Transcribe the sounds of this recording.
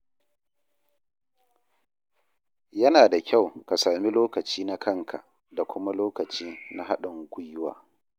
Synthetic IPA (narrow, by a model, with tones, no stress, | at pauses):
jɐ˦naː˨da˨kʲa˦˨wka˨saː˨mi˦loː˦kɐ˨t͡ʃiː˦na˦kʰɐ˦ŋkʰa̰˨ʔ | da˨kʷʊ˦ma˦loː˦kɐ˨t͡ʃiː˦na˦ɦa˦ɗɪ˨ŋɡʷʊ˦jʊ˦wa̰ː˨